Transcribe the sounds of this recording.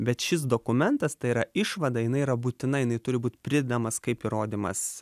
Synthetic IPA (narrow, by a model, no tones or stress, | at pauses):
bʲɛt̪ʃʲɪs̬d̪oːkʊmʲɛnt̪ɐst̪ɐɪiːɾɐɪʃʋɐd̪ɑjɪnɐɪiːɾɐbuːt̪ʲɪnɐjɪnɐɪt̪ʊɾʲɪbuːt̪ʲpʲɾʲɪd̪ʲɛd̪ɐmɐskɐɪpiːɾoːd̪ʲiːmɐs